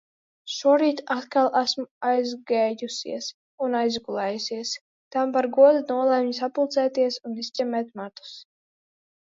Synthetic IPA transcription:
ʃuɔɾiːt̪at̪kalˠæsmajzɡɛjjusḭɛs | unajzɡulˠɛːjusiɛs | t̪ampaɾɡuɔd̪unuɔlˠɛmɲisapulˠt̪sɛːt̪iɛsunisʲt̪ʲɛmɛːt̪mat̪u̥s

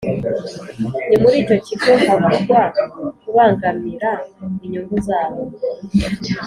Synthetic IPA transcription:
nimuɾiːco̞ciɡohaβuɡwakuβaːŋɡamiɾaiɲuŋɡuzaːβo

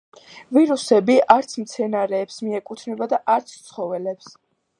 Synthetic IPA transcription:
viɾusɛbiʔaɾt̪sʰmt̪sʰɛnaɾɛːpsmiɛkʼut̪ʰnɛbad̪aʔaɾt̪sʰt̪sʰχɔvɛlɛps

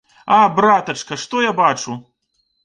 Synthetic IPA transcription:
abɾat̪ɐt͡ʂkɐʂt̪ɔjabat͡ʂu

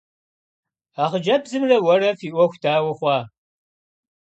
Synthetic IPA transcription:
aːχəd͡ʒɐbzɨmrɐwɐrɐfiːʔʷɔxʷtʰaːwɐχʷɑː

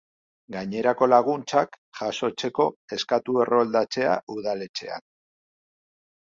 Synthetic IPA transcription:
ɡaɲe̞ɾako̞laɣunt͡sak | ʝaso̞t͡se̞ko̞e̞skat̪ue̞rʔo̞ld̪at͡se̞a̰uðale̞t͡se̞̰a̰k

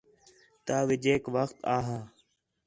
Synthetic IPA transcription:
t̪aːʋɪd͡ʒeːkʋəxt̪aːɦaː

